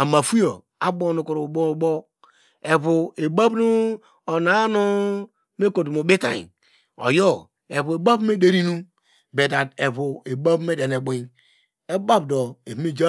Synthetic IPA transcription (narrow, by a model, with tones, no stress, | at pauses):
a˨ma˨fu˦o˨ | a˦bo˦˨nu˨ku˨ɾu˨bo˦˨bo˦ | e˨βu˨e˨ba˦bnu˦ | o˨na˨˦no˦ | me˦ko˨du˨mo˨bi˦ta̰˨ḭ˨ | o̰˨jo˦ | e˨βu˨e˨ba˦bme˦de˦ɾi˦nu˦ | be˨da˨de˨βu˨e˨ba˦bme˦de˨ne˨ɡ͡bi˨ | e˦ba˦bdo˨e˨bme˦d͡ʒa˦